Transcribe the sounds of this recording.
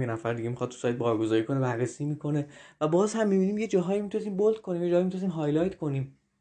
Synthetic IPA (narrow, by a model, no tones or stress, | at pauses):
jenæfæɾd̪iɡɟemixɒd̪t̪ʰu̥sɒːjt̪̚bɒːɾɡo̞zɒːɾiːkʰo̞nebæɾːesiːmikʰo̞ne̞væbɒːzhæmːibiːniːmje̞d͡ʒɒːɦɒːjimit̪ʰunesiːmbolt̪̚kʰo̞niːmje̞d͡ʒɒːjmit̪unesimɦɒːjlɒjt̪ʰkʰo̞nim